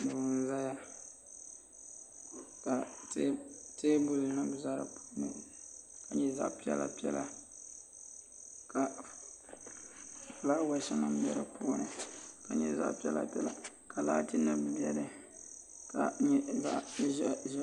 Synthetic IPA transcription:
dɨ˨˦n˦za˦ja˦ | ka˨tːteː˦bʊ˦lɨ˨nɨ˦˨za˦ɾɨ̰˨pu̥ː˦nɨ˨ka˨ɲɛ˦za̰˦ʔpi˦ɛ̰˦la̰˨pi˦ɛ̰˦la˨ | ka˨ | fla˦wa˨˦ʃa˦nɨ˦m˦bjɛ̰˦ɾɨ̰˨˦poː˦nɨ˨ka˨ɲɛ˦za̰˦ʔpi˦ɛ˦la̰˨pʲɛ˦la˨ | ka˨la̰ː˦ti˦nɨ˦bbi˦ɛ˦ɾɨ˨ | ka˨ɲɛ˦za˦ʔʒ

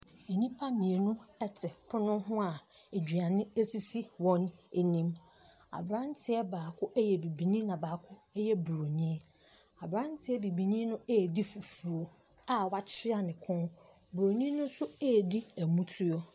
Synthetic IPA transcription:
e˨nĩ˦pʰa˦mĩ˨e˨nʊ̃˦ɛ˦tʰɪ˨pʰʊ˦nʊ̃˦ɦʊ̃˦a˨ | e˨d͡ʑᶣɥa˨nɪ̃˦e˦si˦si˦wɔ̃˦ne˦˨nĩ˦m | a̰˨bɾã˦n˦tʰɪ˦ɛ˦baː˨kʰʊ˦ʔɛ˦jɛ˨bi˨bi˨nĩ˦nã˨baː˨kʰʊ˦ɛ˦jɛ˦bu˨ɾo˨nĩ˦ | a˨bɾã˦n˦tʰɪ˦ɛ˦bi˨bi˨nĩ˦nʊ̃˦eː˦˨di˦fu˨fu˨o˨ | a˨wa˦t͡ɕʰɪ˦a˨nɪ̃˨kʰɔ̃˦n | bu˨o˨nĩ˦nʊ̃˦n˦sʊ˦e˦˨di˦æ˨mũ˦tʰʊ˦ɔ˦

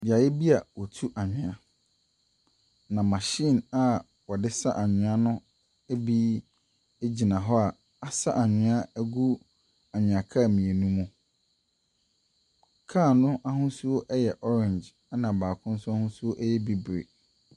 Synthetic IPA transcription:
bi˨a˨jɛ˦bi˦a˨wɔ˨tʰu˦ʔa˨ɲᶣɪ̃˨a˨ | nã˨mã˨ɕĩ˦˨na˨ | wɔ˨dɪ˦sa˦ʔa˨ɲɪ̃˨˦a˦nʊ̃˦ | æ˦bi˦ | e˦d͡ʑi˨nã˨ɦɔ˦a˨ | a˨sa˦ʔa˨ɲɪ̃˦a˦æ˦ɡu˦ | a˨ɲᶣɪ̃˨a˨kʰa˦˨mĩ˨e˨nũ˦mũ˦ | kʰãː˦˨nʊ̃˦ʔa˦ɦʊ̃˦su˦o˦ʔɛ˦jɛ˨ʔɔ˦ɾɛ̃˨ɲd͡ʒ | a˦nã˨baː˨kʰʊ̃˦n̩˦sʊ˦a˦hʊ̃˦su˦o˦ʔɛ˦jɛ˦bi˦bɾḛ˨

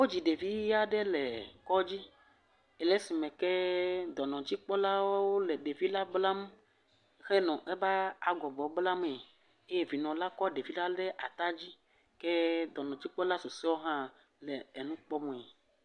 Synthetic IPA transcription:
wo˦d͡ʑi˨ɖe˨vi˦ja˦ɖɛ˦lɛ˨kɔ˦d͡ʑi˦ | ɛ˨lɛ˦si˨mɛ̃˨kɛ˦d̪ɔ˨nɔ̃˨d͡ʑi˦k͡pɔ˦la˦wo˦wo˦lɛ˨ɖe˨vi˦la˦bla˦m˦ | xɛ˦nɔ̃˨ʔɛ˦ba˦a˨ɡɔ˨bɔ˨˦bla˦me˨ | e˦je˦˨vi˨nɔ̃˨la˦kɔ˦ɖe˨vi˦la˦lɛ˦ʔa˨t̪a˦d͡ʑi˦ | kɛ˦d̪ɔ˨nɔ̃˨d͡ʑi˦k͡pɔ˦la˦so˨se˦wo˦ɦã˦ | lɛ˨ɛ˨nũ˦k͡pɔ˦mũ˨ɛ˨

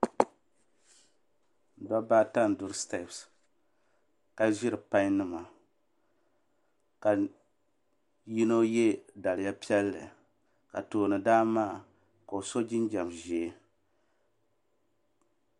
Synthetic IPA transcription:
n̩˨da˦ba˦ta˦n̩˨du˨ɾɨ˦stɛ˦˨ps | ka˦˨ʒi˦ɾɨ˨pa˦ɲ˦nɨ˦ma˨ | ka˨ | ji˦no˦jɛ˦da˨lɪ˨ja˦pi˦ɛ˦lːɨ̰˨ | ka̰˨toː˨nɨ˨daː˦maː˦ | ka˨o˨so˦d͡ʒi˦nd͡ʒɛ˨mʒe˨˦

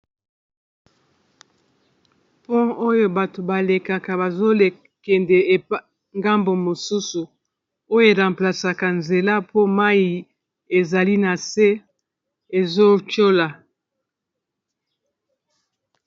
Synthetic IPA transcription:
po˦o˦jo˦ba˨to˨ba˨le˨ka˨ka˨ba˨zo˦le˨ | kɛ˨ndɛ˨e˨p | ŋɡa˦mbo˨mo˨su˦su˨ | o˦jo˦e˨ʁa˨mpla˨sa˨ka˨nze˨la˦po˦ma˦i˨ | e˨za˨li˦na˨se˦ | e˨zo˦t͡ʃo˦la˨

